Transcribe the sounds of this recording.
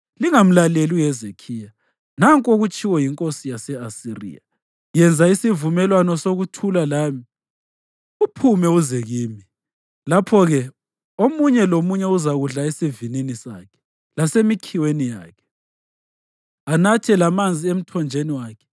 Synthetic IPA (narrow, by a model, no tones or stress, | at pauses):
liŋam̩lalelijɛzekʰiːja | naŋkʼoɣut͡ʃʼiwɔjiŋkʼosijasɛasirḭja̰ | jɛnd͡zʱaisivumɛlwanɔsoɣutʰulalaːmi | upʰumɛuzɛɣiːmi | lapʰɔɣɛ | omuɲɛlomuɲɛuzaɣuɮaesivininisa̰ːkʰɛ̥ | lasemikʰiwenija̰ːkʰɛ̥ | anatʰɛlamand͡zʱiem̩tʰɔnd͡ʒʱeniwaːkʰɛ̥